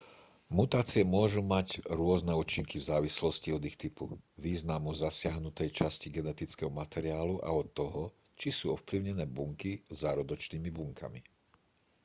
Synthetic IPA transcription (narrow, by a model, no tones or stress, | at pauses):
mut̪aːt͡siɛmʊɔʒumaɟɾʊɔznɛuːt͡ʃiŋkivzaːʋislɔsciɔd̪ixt̪ipṵʋiːznamuzasɪaɦnut̪ɛjt͡ʃasciɡɛnɛt̪it͡skɛɦɔmat̪ɛɾiaːluʔa̰ɔt̪ːɔɦɔt͡ʃisuːɔfpliʊɲɛnɛːbuŋkizaɾɔd̪ɔt͡ʃniːmibuŋkʰa̰mi